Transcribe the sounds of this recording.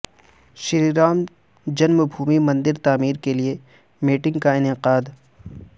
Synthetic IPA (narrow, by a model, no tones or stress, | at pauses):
ʃɪɾiɾaːm | d͡ʒɐnmbʱuːmimɐ̃nd̪ɪɾt̪aːmiːɾkelie | miːʈɪ̃ŋɡkaɪnɪqaːd̪